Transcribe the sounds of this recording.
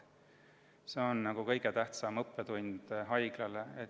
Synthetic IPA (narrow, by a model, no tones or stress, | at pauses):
se̞onːɑɡ̥ukɤ̞jɡ̥et̪æht̪sɑmɤpːˑet̪unʲd̪̥ɦɑjɡ̥lɑlee